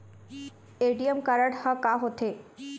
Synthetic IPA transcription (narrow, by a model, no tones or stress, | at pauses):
eɖiəmkaɾəɽhakaɦot̪ʰe